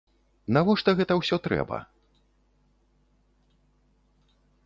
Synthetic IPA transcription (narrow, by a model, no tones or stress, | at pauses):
navɔʂt̪ɐɣɛt̪ɐwsʲɔt̪ɾɛ̰bɐ̰